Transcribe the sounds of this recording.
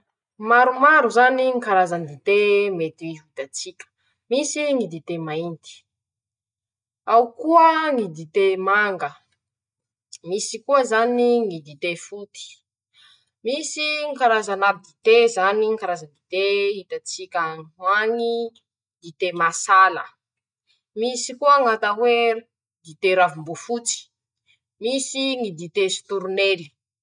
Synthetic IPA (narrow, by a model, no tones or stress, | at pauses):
maɾumaɾuzaniŋkaɾazənd̪it̪emet̪iit̪at͡sikʲə̥ | misiŋid̪it̪emaint̪i̥ | awukuəŋid̪it̪emaŋɡə | misikuəzaniŋid̪it̪efut̪i̥ | misiŋkaɾazanabid̪it̪ezaniŋikaɾazad̪it̪eit̪at͡sikʲawaŋi | d̪it̪emasalə | misikuəŋat̪awe | d̪it̪eɾavumbufut͡si̥ | misiŋid̪it̪esu̥t̪uɾuneli